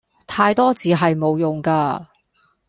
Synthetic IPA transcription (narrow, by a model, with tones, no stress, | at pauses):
t̪ʰaː˧jt̪ɔː˥t͡siː˨˧ɦɐ˨jmo˨˧wjʊ˨ŋkaː˧